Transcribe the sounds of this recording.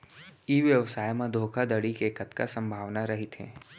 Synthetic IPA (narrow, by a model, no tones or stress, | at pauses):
iʋjəʋsaːjmãd̪ʱoːkʰad̪əɽikeːkət̪kasə̃mbʱaːʋnaɾɐɦit̪ɦɛ̰̃ː